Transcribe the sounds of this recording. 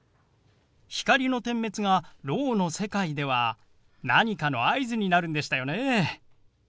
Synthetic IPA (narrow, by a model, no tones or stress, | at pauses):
çi̥kaɾʲino̞t̪ẽ̞mːe̞t͡sɨɡaɾo̞ːno̞se̞kaid̪e̞β̞a | naɲ̟ikano̞aizɨɲ̟inaɾɯ̟nd̪e̞ɕi̥t̪ajo̞neː